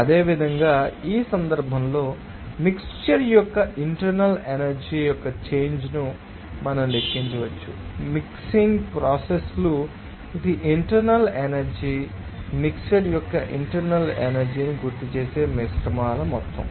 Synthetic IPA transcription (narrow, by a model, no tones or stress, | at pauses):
ɐd̪e̞ːʋid̪ʱɐŋɡaːiːsɐnd̪ɐɾbʱɐmlo̞ː | mikst͡ʃɐɾjɔkːɐʔiɳʈɐɾnɐlenɐɾd͡ʒiːjɔkːɐt͡ʃe̞ːɲd͡ʒnu | mɐnɐmlekːiɲt͡ʃuʋɐt͡ʃːumiksiŋɡpɾaːseslu | d̪iʔiɳʈɐɾnɐlenɐɾd͡ʒi | mikst͡ʃɐɾjɔkːɐʔḭɳʈɐɾnɐlḛnɐɾd͡ʒiːniɡuɾt̪ut͡ʃe̞ːse̞ːmisʈɐmaːlɐmɔt̪ːɐ̰m